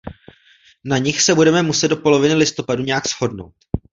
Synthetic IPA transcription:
naɲɪxsɛbudɛmɛmusɛd̪do̞po̞lo̞vɪnɪlɪst̪o̞paduɲɛjaksho̞dno̞̰wt̪

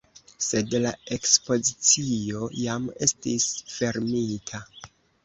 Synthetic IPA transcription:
se̞dlae̞kspo̞zit͡sio̞jame̞stisfe̞ɾmitʰa

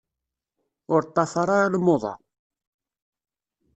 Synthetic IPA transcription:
ʊɾt̪ˤːɑfɑɾˤɑɾalmoðˤɑ̰

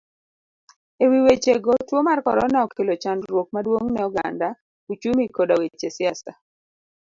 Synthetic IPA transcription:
ewiwet͡ʃeɡotwomarkɔɾɔ̰naɔkelot͡ʃandɾwok̚madwoŋnɛɔɡanda | ut͡ʃumikodawet͡ʃesɪasta

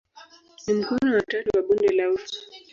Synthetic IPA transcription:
nim̩kunawataɾiwaɓundɛlauti̥

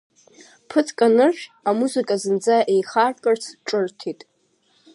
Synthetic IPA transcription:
pʰɨt͡sʰkʼanɨʃʲᶣamuzɨkʼazɨnd͡zaʔe̞jχarkʼɨrt͡sʰʈ͡ʂʼɨrtʰitʼ

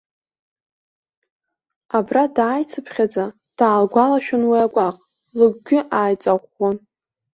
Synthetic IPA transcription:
abradaːjt͡sʰɨpʰχʲad͡za | d̥aːlɡʷalaʃᶣʊnwiaɡʷaqʼ | lɨɡʷɡʲɪʔaːjt͡sʼaʁʷːon

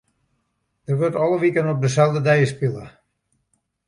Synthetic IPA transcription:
d̥ərʋøtɔlˠəʋikənɔp̚dəsɛlˠdədɛjəspilˠə

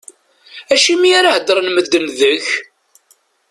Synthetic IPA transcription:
æʃimiaɾahəd̪ɾˤənməd̪ːənðəç

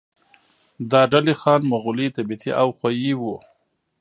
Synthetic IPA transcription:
d̪ɑːɖalexɑnmaɣulit̪abit̪ʰiʔawxwajiwu

